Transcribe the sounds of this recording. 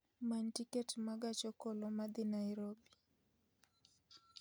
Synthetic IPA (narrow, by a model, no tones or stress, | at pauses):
mantikɛtmaɡat͡ʃɔkɔlɔmad̪inaiɾobi